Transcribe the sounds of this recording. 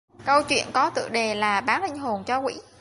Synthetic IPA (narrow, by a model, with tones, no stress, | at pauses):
kə˧wt͡ɕwḭ˧˨ənkɔ˨˦t̪ɨ̰˧˨ɗe˨˩laː˨˩ɓaː˨˦nlï˧ŋ̟ɦo˨˩nt͡ɕɔ˧kwḭ˧˥